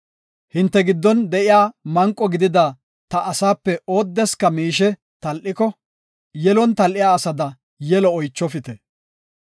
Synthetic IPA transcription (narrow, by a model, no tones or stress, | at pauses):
hɪnt̪ːɛɡɪd̪ːɔnd̪ɛʔɪjaːmɐŋkʼːɔɡɪd̪ɪd̪a | t̪ɐʔːsaːpːɛo̞ːd̪ːɛskɐmiːʃɛ | t̪ɐlʔɪkɔ | jɛlɔnt̪ɐlʔɪjaːsɐd̪ɐ | jɛlɔːjt͡ʃːɔfɪt̪ɛ